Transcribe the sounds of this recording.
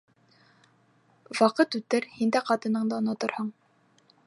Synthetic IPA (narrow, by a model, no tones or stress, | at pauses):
wɑqɤt̪ʉt̪ɘɾhind̪æqɑt̪ɤ̆nɤɴd̪ɑŏnɑt̪ɤ̆ɾhɤɴ